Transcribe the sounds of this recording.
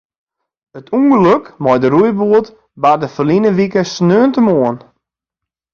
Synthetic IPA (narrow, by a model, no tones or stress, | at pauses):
ətʰuŋɡəløkmɔjdəɾujbuət | badəfərlinəʋikəsnøːəntəmoən